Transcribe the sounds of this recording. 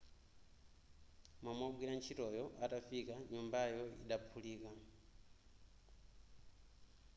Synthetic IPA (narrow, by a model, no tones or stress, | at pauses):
mamwaɓwiɾant͡ʃʰitɔjɔʔatafikaɲumbajɔḭɗapʰuliːka